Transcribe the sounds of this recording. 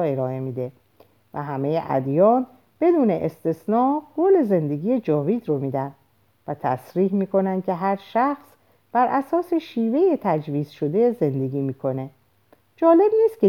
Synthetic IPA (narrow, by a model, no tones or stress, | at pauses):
e̞ɾɒːe̞mid̪e̞ | væ̰ɦæme̞jeʔæ̰d̪jɒːn | b̥e̞d̪uːne̞ʔest̪e̞snɒːɡ̥ole̞ze̞nd̪e̞ɡiːjed͡ʒɒːviːd̪ɾomiːd̪ænd̪ | væt̪ʰæsɾiːhmiːko̞nænd̪̚cʰe̞ɦæɾʃæxs | b̥æɾʔæsɒːse̞ʃiːve̞jet̪ʰæd͡ʒviːz̥ʃo̞d̪e̞ze̞nd̪e̞ɡʲiːmiːkʰo̞ne̞ | d͡ʒɒːle̞bniːst̪̚cʲe